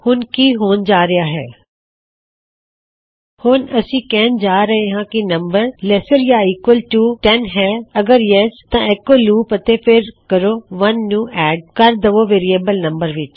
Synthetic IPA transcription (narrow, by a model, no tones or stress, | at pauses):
hʊnkiːɦoːnd͡ʒaːɾɪjaːɦɛ̰ː | hʊnəsĩːkɛːnd͡ʒaːɾəɦeːɦãːkɪnəmbəɾlɛsəɾjaːiːkwəlʈuːʈɛnɦɛːəɡəɾjɛst̪ãːɪkːoːluːpət̪eːpʰɪɾkəɾoːʋənːuːʔɛːɖ̚kəɾd̪əʋoːʋeːɾieːbəlnəmbəɾʋɪt͡ʃ